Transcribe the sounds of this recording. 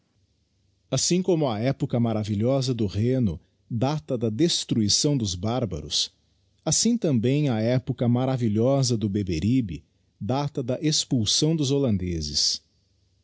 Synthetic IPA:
asĩkõmʊɐɛpʊkɐmaɾaviʎɔzɐd̪ʊʁẽnʊ | d̪at̪ɐd̪ɐd̪est̪ɾuisɐ̃w̃d̪ʊzbaɾbɐ̰ɾʊ̰s | asĩt̪ɐ̃mbẽj̃ɐɛpʊkɐmaɾaviʎɔzɐd̪ʊbebeɾibɪ | d̪at̪ɐd̪ɐʔespuwsɐ̃w̃d̪ʊzolɐ̃nd̪ezɪ̰s

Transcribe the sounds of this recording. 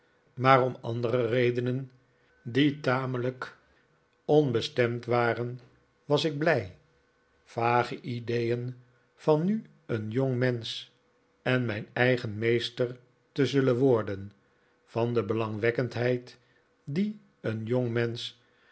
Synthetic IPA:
maːrɔmɑ̰ndərərejdənən | ditaːmələk | ɔnbəstɛmtʋaːrən | ʋɑsɪɡ̚blɛj | v̥aːχəʔidejən | v̥ɑnːy | ənjoŋmɛns | ɛnmɛjnɛjχənmejstəɹ | təzɵlənʋɔɹdən | v̥ɑndəbəlɑŋʋɛkəntɦɛjt | di | ənjɔŋmɛns

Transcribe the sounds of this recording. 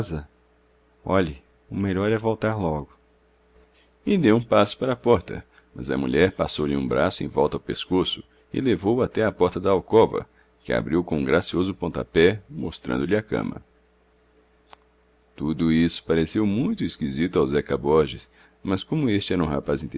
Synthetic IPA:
zɐ | ɔʎɐ | ʊmeʎɔɾɛvowt̪aɾlɔɡʊ | ɪd̪ewũpasʊ̥paɾɐpɔɾt̪ɐ̰ | mɐ̰zɐ̰mṵʎɛɾpasowʎɪũbɾasʊḛ̃j̃vɔwt̪ɐawpeskosʊ̥ | ɪ̰levowat̪ɛɐpɔɾt̪ɐd̪ɐawkɔvɐ̰ | kɪa̰bɾiwkõũɡɾasiozʊpõnt̪a̰pɛmost̪ɾɐ̰̃nd̪ʊʎɪakɐ̰̃mɐ̰ | t̪ud̪ʊisʊ̥paɾesewmũj̃t̪ʊiskizit̪ʊawzɛkabɔɾʒɪs | mɐskõmʊest͡ʃɪɛɾɐũha̰pazĩnt̪

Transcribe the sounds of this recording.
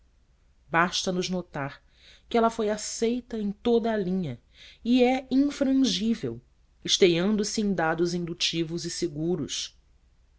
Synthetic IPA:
baʃt̪ɐnʊznot̪aɾ | kɪɛlɐfojasejt̪ɐẽj̃t̪od̪ɐːlĩɲɐ | iɛĩŋfɾɐ̃ʒivḛw | ɪʃt̪ejɐ̃nd̪ʊsɪẽj̃d̪ad̪ʊzĩnd̪ut͡ʃivʊzɪseɡuɾʊs

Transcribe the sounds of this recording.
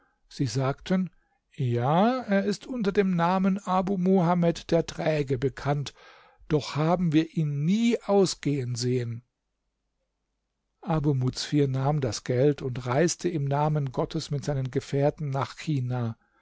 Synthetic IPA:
z̥iːzaːktʰən | jaːeːɐɪstʔʊntɐdeːmnaːmənʔabuːmuhamɛtd̥eːɐtʁ̥ɛːɡəbəkʰant | d̥ɔχhaːbm̩viːɐʔiːnːiːʔaʊsɡ̥eːənzeːən | ʔabumut͡sfiːɐnaːmdasɡ̥ɛltʰʊntʁaɪstʰəɪmnaːmənɡɔtʰəsmɪtz̥aɪnənɡəfɛːɐtn̩naːχçiːnaː

